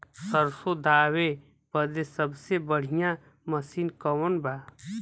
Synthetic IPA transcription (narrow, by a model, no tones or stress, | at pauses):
səɾsod̪ʱaːwe | pəd̪esəbsebəɽ̤ijã | məsiːnkəwənbaː